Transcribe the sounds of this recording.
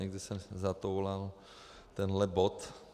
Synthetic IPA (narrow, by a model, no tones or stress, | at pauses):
ɛɡdɪsɛmzat̪owlal | t̪ɛnɦlɛbot̪